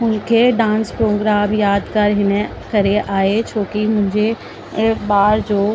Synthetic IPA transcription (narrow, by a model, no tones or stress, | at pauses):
ʊnkʰeɖãːnspɾoːɡɾaːmjaːd̪kɐɾɦɪnẽ | kɐɾeʔaːet͡ʃʰoːkimʊ̃ɦɪɲd͡ʒʱe | baːɾd͡ʒoː